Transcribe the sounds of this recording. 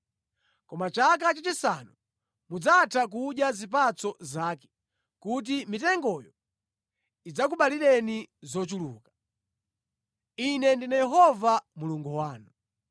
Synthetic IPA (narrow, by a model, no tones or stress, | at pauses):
kɔmat͡ʃak̬at͡ʃat͡ʃisanu | mud͡zatʰak̬uɗjazipat͡sɔzaːkɛ̥ | kut̬imitɛŋɡɔjɔ | id͡zak̬uɓaliɾɛnizɔt͡ʃulṵːkḁ | inɛndinajɛɦɔvamuluŋɡuwaːnu